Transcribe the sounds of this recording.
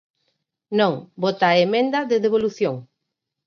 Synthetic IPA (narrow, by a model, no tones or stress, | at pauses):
nõŋbot̪aemẽnd̪ɐðeðeβ̞oluθjoŋ